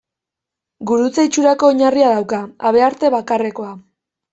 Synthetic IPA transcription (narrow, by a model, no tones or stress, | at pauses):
ɡuɾut͡sait͡ʃuɾako̞ːɲariaðawkaaβe̞aɾt̪e̞βakare̞ko̞a